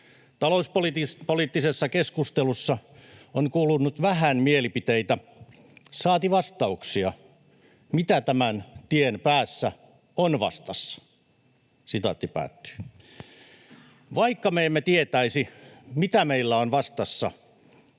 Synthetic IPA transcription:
t̪ɑlouspolit̪ipoliːˑt̪ːisesːɑkeskust̪elusːɑonkuːlunːut̪ʋæhænmielipit̪eit̪æ | sɑːt̪iʋɑst̪ɑuksiɑ | mit̪æt̪æmænt̪ienpæːsːæ | onʋɑ̰st̪ɑsːɑ̥ | sit̪ɑ̰t̪ːipæ̰ːt̪ːy̥ː | ʋɑikːɑmeːmːet̪iet̪æisimit̪æmeilːæonʋɑst̪ɑsːɑ

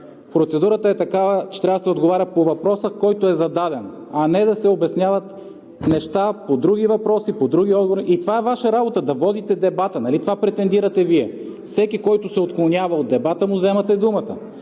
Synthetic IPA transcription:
pɾot̪sɛd̪uɾət̪əɛt̪ɐkavət͡ʃɛ̥t̪ɾʲavd̪sɛod̪ɡovaɾʲɐpovɐpɾɔsəkɔjt̪oɛzɐd̪ad̪ɛn | ɐnɛd̪ɐsɛobɛsnʲjavɐt̪ | nɛʃt̪apod̪ɾuɡ̟ivɐpɾɔsipod̪ɾuɡ̟ʲiɔd̪̚ɡovɾɾiʔit̪ovaɛvaʃəɾabot̪əd̪ɐvɔd̪it̪ɛd̪ɛbat̪ənɐlit̪ovapɾɛt̪ɛnd̪iɾɐt̪ɛviɛfsɛkikɔjt̪ʊsɛot̪klˠonʲavɐot̪̚d̪ɛbat̪əmʊzɛmɐt̪ɛd̪umɐt̪ə

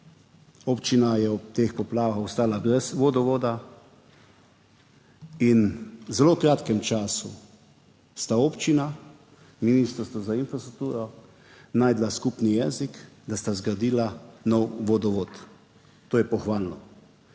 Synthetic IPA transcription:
opt͡ʃinajɛɔp̚t̪eːxpɔplaːʋaxɔst̪aːlaɡɛsʋod̪ɔʋoːd̪a | inzɛloːkɾaːt̪kɛmt͡ʃaːsṵ | st̪aoːpt͡ʃina | minist̪ɾst̪ʋɔzainfɾast̪ɾuk̚t̪uːɾɔ | naːjd̪laskupnijɛːzikd̪ast̪azɡɾad̪iːlanɔwʋod̪ɔʋoːt̪ | t̪oːjɛpɔxʋaːlnɔ

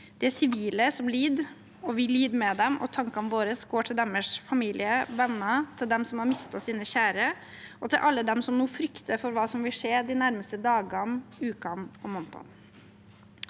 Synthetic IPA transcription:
d̪̥ɛæsɪʋiːləsɔmliːd̪ | ɔʋɪlyːd̪mɛd̪ɛmɔ̰t̪ʰɑŋkɑnʋoːɾəsɡoːʈʰɪld̪ɛməʂfɑmiːlɪəʋɛnːɑt̪ʰɪld̪ɛmsɔmhɑɾmɪst̪ɑsiːnəçæːɾə | ɔt̪ʰɪlʔɑlːəd̪ɛmsɔmnuːfɾʏkt̪əfɔɾʋɑːsɔmʋɪlʂeːd̪ɪnæɾməst̪əd̪ɑːɡɑnʉːkɑnɔmɔnt̪ɑ̰n

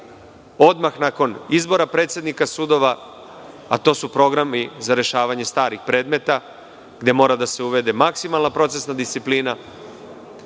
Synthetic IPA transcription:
o̞d̪maxnako̞nizbo̞ɾapɾe̞t̪sjed̪nikasud̪o̞ʋa | at̪o̞ːsupɾo̞ɡɾamizaɾe̞ʃaːʋaɲe̞st̪aːɾixpɾe̞ːd̪me̞t̪a | ɡd̪e̞mo̞ːɾad̪ase̞uʋe̞d̪e̞maksimalˠnapɾo̞t̪se̞snad̪ist̪sipliːna

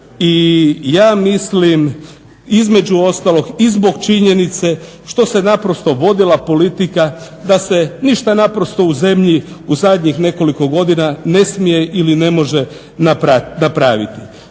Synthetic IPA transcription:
ijaːmislim | izme̞d͡ʑuo̞st̪alo̞ɡizbo̞ɡt͡ʃiɲe̞nit̪se̞ | ʃt̪o̞se̞napɾo̞st̪o̞ʋo̞d̪ilˠapo̞lit̪ika | d̪ase̞niʃt̪anapɾo̞st̪o̞uze̞mʎiuzad̪ɲixne̞ko̞liko̞ɡo̞d̪inane̞smije̞ʔiline̞mo̞ʒe | napɾanapɾaːʋḭt̪i

